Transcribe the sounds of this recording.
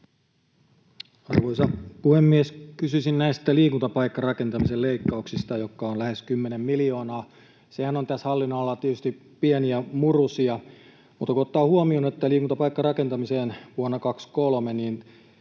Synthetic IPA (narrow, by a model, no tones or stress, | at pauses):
ɑ̰rʋoisɑpuhemːieskysysinnæist̪æliːkunt̪ɑpɑikːɑrɑkent̪ɑmiselleikːɑuksist̪ɑjokːɑonlæheskymːenemmilio̞ːnɑː | sehænont̪æshɑlːinːɑlːɑt̪iet̪yst̪i | pieniæmurusiɑ | mṵːt̪ːɑkuot̪ːɑːhuomioːnet̪ːæliːkunt̪ɑpɑikːɑrɑkent̪ɑmiseːnʋuonːɑkɑkskolmeniːn